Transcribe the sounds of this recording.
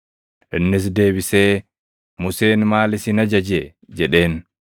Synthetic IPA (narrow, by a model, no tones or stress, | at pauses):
ʔɛnːis̬deːbisɛː | museːnmaːlisinad͡ʒad͡ʒɛ | d͡ʒɛɗeːn